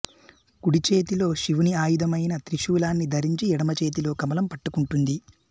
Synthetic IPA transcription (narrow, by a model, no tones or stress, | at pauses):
kuɽit͡ʃe̞ːt̪ilo̞ːʃiʋuniaːjud̪ʱɐmɐjnɐt̪ɾiʃuːlaːnːid̪ʱɐɾiɲt͡ʃiɛɽɐmɐt͡ʃe̞ːt̪̬ilo̞ːkɐmɐlɐmpɐʈːukuɳʈund̪i